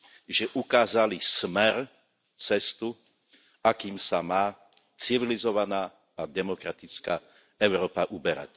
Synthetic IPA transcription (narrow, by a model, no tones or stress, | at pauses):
ʒɛʔukaːzalismɛɾ | t͡sɛst̪u | akiːmsamaː | t͡siʋilizɔʋanaː | ad̪ɛmɔkɾat̪it͡skaː | ɛʊɾɔːpaʔubɛɾa̰c